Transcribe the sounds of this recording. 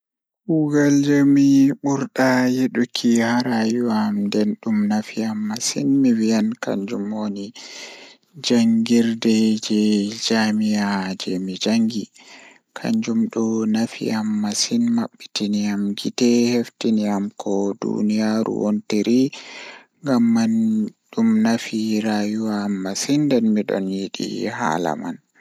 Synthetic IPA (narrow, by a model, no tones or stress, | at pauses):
kuɡald͡ʒomiɓuɾɗajeɗukʰihaɾajuwamdɛnɗumnafijamːasinmiwijanka̰ɲd͡ʒumoni | d͡ʒaŋɡiɾdɛd͡ʒɛd͡ʒamijad͡ʒɛmid͡ʒaŋɡi | kʰa̰ɲd͡ʒumɗɔnafḭamːasinmaɓːitiniamɡitɛheftiniamkɔdṵnijaɾṵwo̰nteɾʔi | ŋɡamːanɗumnafiɾajuwamːasindɛnmiɗɔ̰njiɗḭha̰la̰ma̰n